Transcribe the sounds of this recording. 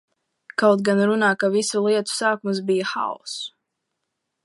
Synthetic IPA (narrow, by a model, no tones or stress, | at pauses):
kawt̪̚ɡanɾunaːkavisulˠiɛt̪u̥saːkums̬bijaxa̰ɔ̰s